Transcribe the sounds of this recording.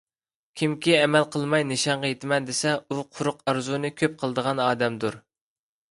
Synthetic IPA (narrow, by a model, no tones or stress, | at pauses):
kʲʰimkʲiɛmɛlqʰəlˠmɑjnɪʃɑɴʁɑjet̪ʰɪmɛnd̪esɛuqʰʊɾʊqɑɾzunɨkʲʰøp̚qʰəlˠəd̪əʁɑnɑːd̪ɛmd̪uɾ